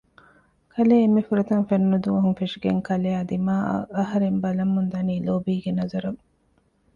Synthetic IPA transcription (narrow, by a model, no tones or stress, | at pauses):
kʰɐleːemːefuɾɐt̪ɐŋfenːud̪uʋɐɦuŋfeʂiɡeŋkɐleːɐd̪ima̰ːɐɦɐɾembɐlɐmːund̪ɐniːloːbiːɡenɐzɐɾɐŋ